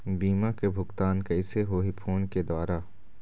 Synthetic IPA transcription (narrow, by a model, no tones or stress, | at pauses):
biːmakebʱʊkt̪aːnkɐɪseɦoːɦipʰoːnked̪ʊaːɾaː